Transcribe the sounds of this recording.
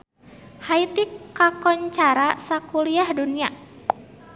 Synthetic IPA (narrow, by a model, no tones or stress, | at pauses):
hait̪ikakɔɲt͡ʃaɾasakuliahdunia